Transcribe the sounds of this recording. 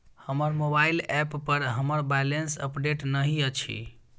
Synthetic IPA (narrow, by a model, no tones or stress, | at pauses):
həməɾmobailɛpːəɾɦəməɾbajlensəpɖeʈnəɦiət͡ʃʰḭ